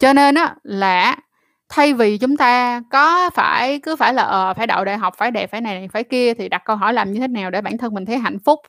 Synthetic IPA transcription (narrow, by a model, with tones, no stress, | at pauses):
t͡ɕɔ˧ne˧nʔaː˨˦laː˨˩˨ | t̪ʰa˧jvi˨˩t͡ɕʊ˨˦ŋ͡mt̪aː˧kɔ˨˦faː˧˩jkɨ˨˦faː˧˩jlaː˨˩ʔəː˨˩faː˧˩jɗa̰˧˨wɗa̰ː˧˨jɦa˨˩wk͡p̚faː˧˩jɗe˨˩p̚faː˧˩˦jna˨˩jna˨˩jfaː˧˩˦jki˧ət̪ʰi˨˩ɗa˨˩kə˧wɦɔ˧˩jlaː˨˩mɲɨ˧t̪ʰe˨˦naː˨˩wɗe˧˩ɓaː˧˩nt̪ʰə˧nm˨˩ŋ̟t̪ʰjɦa̰˧˨jŋ̟fʊ˦˥k͡p̚